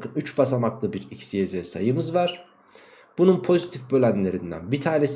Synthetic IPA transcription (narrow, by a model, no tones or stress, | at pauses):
kɯnyt͡ʃbasamaklˠɯbiɾicsijezɛsajɯmɯzvaɾ̥ | b̥ununpʰo̞zit̪ʰifbølʲænlʲe̞ɾind̪æ̰nbit̪ʰaːnes